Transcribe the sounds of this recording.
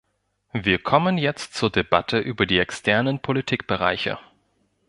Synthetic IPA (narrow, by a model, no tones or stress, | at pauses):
viːɐkʰɔmənjɛt͡stt͡suːɐdebatʰəʔyːbɐdiːɛkstʰɛɐnənpʰolitʰiːk̚b̥əʁ̞a̰ɪçə̰